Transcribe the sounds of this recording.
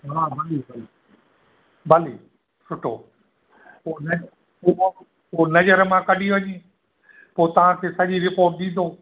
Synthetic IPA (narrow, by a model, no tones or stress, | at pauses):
ɦaːɦɐɗibɐli | bʱɐli | sʊʈʰːo̰ː | ponɐ | onɐd͡ʑəɾmãkɐɗʱiʋɐɲẽː | poːt̪ɐʋ̤ãkʰeːsɐʄiɾɪpoːɾʈ̚ɗ̪ĩːn̆d̪oː